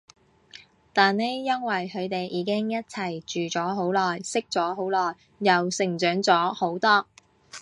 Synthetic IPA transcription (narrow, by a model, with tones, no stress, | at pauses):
t̪aː˨nne˨˧jːɐ˥nwɐ˨jhʰɵ˨˧ɥt̪e˨jʔiː˨˧kɪ˥ŋjɐ˥t̚t͡sʰɐ˨˩jt͡ʃyː˨˩t͡sɔː˨˥ɦo˨˥wlɔː˨jsɪ˥k̚t͡ʃɔː˨˥ɦo˨˥wlɔː˨˩jː | ɐ˨wsɪ˨˩ŋt͡ʃœː˨˥ŋt͡sɔː˨˥ho˨˥wt̪ɔː˥